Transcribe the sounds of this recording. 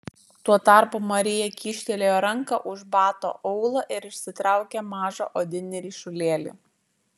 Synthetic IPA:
t̪uɔt̪ɑˑɾpuːmɐɾʲɪjɛkʲiːʃʲt̪ʲɛlʲeːjoːɾɐŋkɐʔʊʒbɑːt̪o̰ːʔɔʊlˠoːʔɪɾɪʃʲsʲɪt̪ɾɑˑʊkʲɛmɑːʒo̰ːʔoːd̪ʲɪnʲɛɾʲiːʃʊlʲeːlʲṵːˑ

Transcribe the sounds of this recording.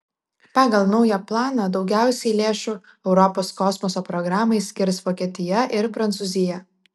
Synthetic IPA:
pɑːɡɐlˠnɒʊjɛplˠɑːnɐd̪ɒʊɡʲæˑʊsʲɛɪlʲeːʃu | ɛʊɾɔpoːskɔsmɔsoːpɾɔɡɾɑːmɐɪsʲkʲɪɾsʋoːkʲeːt̪ʲɪjɛʔɪɾpɾɐnt̪suːzʲɪjɛ

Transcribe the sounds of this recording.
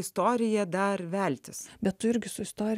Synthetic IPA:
ɪst̪oːɾʲɪjɛd̪ɐɾʋʲælʲt̪ʲɪsbʲɛtt̪ʊɪɾʲɡʲɪsʊɪst̪oːɾʲ

